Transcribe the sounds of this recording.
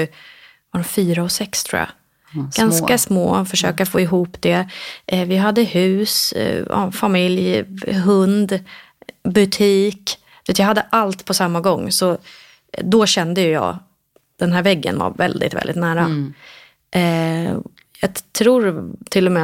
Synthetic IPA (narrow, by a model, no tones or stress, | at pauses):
vaɾɔfyːɾaɔsɛkst̪ʰɾṵːja̰ | ɡ̥anskasmo̰ːfœʂø̰ːkafoːɪɦuːpd̪ɛʔvɪɦad̪ːəhʉ̟ːsɑ̰famɪljɦɵnd̪ | bɵt̪ʰiːk | d̪̥veːt̪jaɦad̪ːəʔalt̪pʰɔsamːaɡɔŋːsɔ | d̪ɔɕɛnd̪əjɵjɑ̰ː | d̪̥ɛnɦæːɾvɛɡːə̰nva̰ɾvɛ̰ld̪ɪ̰t̪vɛ̰lɪt̪næːɾa | ʔ | jɑːɡt̪ʰɾuːɾt̪ʰɪlːɔmɛ